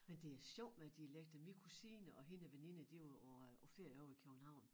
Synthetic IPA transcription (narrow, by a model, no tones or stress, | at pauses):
mend̥e̝æɐsɒʊ̰̥med̥ieleɡ̥̚d̥ɐmikʰusiːnəʔɒ̽ɦenəʋene̝nəd̥ioɒfeɐ̰jɒʊ̰ikʰøɡ̥n̩hɑ̈ʊ̰n